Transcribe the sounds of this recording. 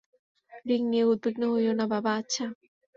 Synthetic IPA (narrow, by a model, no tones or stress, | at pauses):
ɾiŋnieud̪̚beɡnoɦojonababaːtːɕʰa